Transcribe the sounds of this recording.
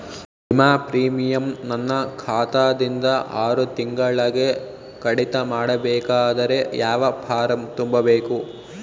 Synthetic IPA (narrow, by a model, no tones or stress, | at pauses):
bimaːpɾiːmijɐmnɐnːɐkʰaːt̪aːd̪ind̪ɐʔaːɾut̪iŋɡɐɭɐɡe | kɐɽit̪ɐmaːɽɐbɛːkaːd̪ɐɾe̞jaːʋɐpʰaːɾɐmt̪umbɐbeːku